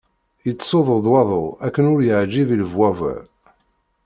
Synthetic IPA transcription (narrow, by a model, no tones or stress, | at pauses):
jət͡sːsoðˤəd̪ˤwɑðˤoˤækːənʊɾjəʕd͡ʒiviləvwævə̰